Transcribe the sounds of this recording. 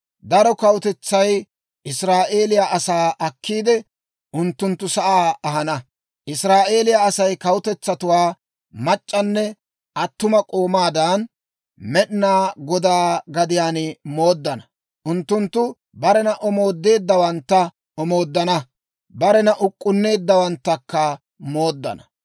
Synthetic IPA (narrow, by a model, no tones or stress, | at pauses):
d̪ɐɾɔkɐwʊt̪ɛt͡sːɐj | ʔɪsɾaːʔe̞ːlɪjaʔɐsaːʔɐkːiːd̪ɛ | ʔʊnt̪ːʊnt̪ːʊsɐʔaːɐɦɐnɐ | ʔɪsɾaːʔe̞ːlɪjaɐsɐjkɐwʊt̪ɛt͡sːɐt̪ʊwaː | mɐt͡ʃʼːɐnːɛ | ʔɐt̪ːʊmɐkʼoːmaːd̪ɐn | mɛɗnaːɡɔd̪aːɡɐd̪ɪjaːnmo̞ːd̪ːɐnɐ | ʔʊnt̪ːʊnt̪ːʊ | bɐɾɛnɐʔɔmo̞ːd̪ːe̞ːd̪ːɐwɐnt̪ːɐ | ʔɔmo̞ːd̪ːɐnɐ | bɐɾɛnɐʔʊkʼːʊnːe̞ːd̪ːɐwɐnt̪ːɐkːɐ | mo̞ːd̪ːɐ̰nɐ